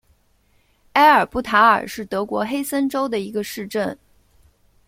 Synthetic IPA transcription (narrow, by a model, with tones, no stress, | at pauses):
a˥ɪə˞˨˩pu˥˩t̪ʰa˧˥ə̰˞˨˩ʂɻ̩˥˩t̪ɤ˧˥kwɔ˧˥xe˥ɪsə˥nʈ͡ʂo˥ʊd̪ə˨i˧˥ɡə˧ʂɻ̩˥˧ʈ͡ʂə˥˩n